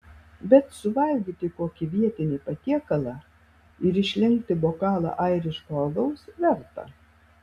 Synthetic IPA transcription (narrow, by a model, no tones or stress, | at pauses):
bʲɛt̪sʊʋɐlʲɡʲiːt̪ʲɪkoːkʲɪʋʲiɛt̪ʲɪnʲiːpɐt̪ʲiɛkɐlˠɑː | ɪɾɪʃʲlʲɛŋkt̪ʲɪboːkɑːlˠɑ̰ːʔɐɪɾʲɪʃkoːlɡɐʊsʋʲɛɾt̪ɐ̰